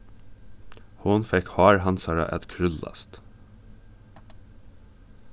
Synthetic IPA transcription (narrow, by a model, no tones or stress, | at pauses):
hʊnfɛkhɑːɹhɑnsɑɹɑ̰ʔɛt̪kʰɾʏlɑ̰st̪